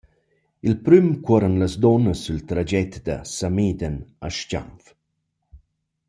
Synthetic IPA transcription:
ilpɾymkwɔɾənləsd̪ɔnəsːylt̪ɾad͡ʒɛt̪d̪ə̰samid̪ənaʃca̰mf

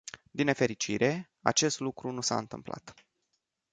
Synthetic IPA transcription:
d̪inefe̞ɾit͡ʃḭɾʔe̞ | a̰t͡ʃe̞st̪lukɾunusa̰ɨnt̪ɨ̰mpla̰t̪

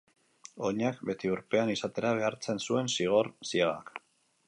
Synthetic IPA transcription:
o̞ɲakbe̞t̪iuɾpe̞anisat̪e̞ɾaβ̞e̞aɾt͡se̞nsue̞nsiɣ̞o̞ɾsiaɣa̰k

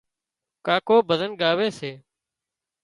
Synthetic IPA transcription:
kaːkoːbʱəzənɡaːʋeːseː

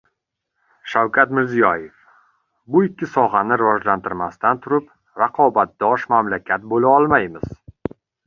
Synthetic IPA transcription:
ʃawkʲʰat̪mɪɾzijɒjef | bʊɪkʲʰːɪsɒʁɑnɪɾɪvɒd͡ʒlant̪ʰɪɾmast̪ant̪ʰʊɾɪp | ɾaqʰɒbat̪̚d̪̥ɒʃmamlakʲʰat̪̚bolaɒlˠmajmɪz̥

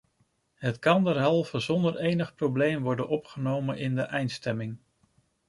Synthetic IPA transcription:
ɦətkɑndəɹɦɛlˠvəzɔndəɹejnəχprowblejmʋɔɹdənʔɔpχənowmənʔɪndəʔɛjntstɛmɪŋ

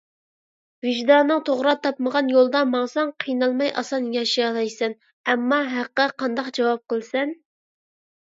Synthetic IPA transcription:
vɪʒd̪ɑnːɨŋt̪ʰoʁɾɑt̪ʰɑp̚məʁɑnjolˠd̪ɑmɑŋsɑŋqʰijnɑlˠmɑjʔɑ̰sɑnjɑʃijɑlˠɑjsɛn | ɛmːɑɦæqːəqʰɑnd̪ɑqd͡ʒɑwɑp̚qəlˠsɛn

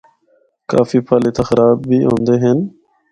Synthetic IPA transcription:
ka̰ːfiːpʰaːleːt̪aːxəɾaːbːiːɦõ̰ːnd̪eːɦen

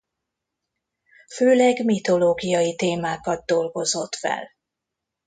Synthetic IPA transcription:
føːlɛɡmit̪o̞loːɡijɒjit̪eːmaːkɒd̪̚d̪o̞lɡo̞zo̞t̪fɛ̰l

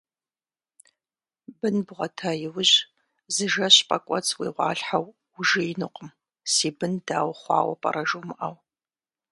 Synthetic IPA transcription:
bɨnbʁɐtʰajɪwʊʑ | zɨʒɐɕpʼɐkʷʼɔt͡sʰʼwiːʁʷɑ̰ːɬħaw | ʊʒɪjɪnɨqʷʼəm | siːbɨndaːwχʷɑ̰ːwɐ̰pʼɐ̰rɐʒumɨʔɐw

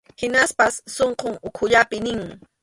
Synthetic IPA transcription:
hɪnaspasːoɴqoŋʊkʰʊʎapɪnɪŋ

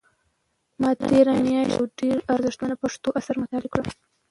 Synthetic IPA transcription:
mɑt̪eɾanijɑʃa̰wɖeɾaɾzɪʂt̪manapaʂt̪oʔasaɾmʊt̪ɑlɪkɽam

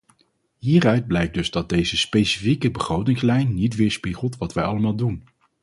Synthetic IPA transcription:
ɦiːrœɥd̚blɛjk̚dɵzdɑd̚dejzəspejsifikəbəχrowtɪŋslɛjnːitʋɪːɹspiχəlˠtʋɑtʋɛjɑləmaːlˠdun

